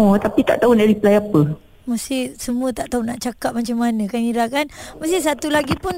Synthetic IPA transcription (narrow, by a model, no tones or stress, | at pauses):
ot̪apit̪a̰ʔt̪aunaɾipəlajapə | masɪhsəmũət̪aʔt̪aunaʔt͡ʃakap̚mat͡ʃamːanə̃kaniɾakanmasɪsat̪ulaɡipʊn